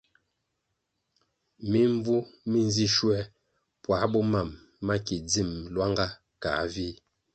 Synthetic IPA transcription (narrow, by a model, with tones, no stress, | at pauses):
mi˦ɱ˦vu˦mi˦n˦zi˦ʃwɛ˦ | pwa˨˦bɔ˦ma˨mː | a˦ki˨d͡zi˦˨m˨lwa˦ŋɡa˦ | ka̰˨˦vi˦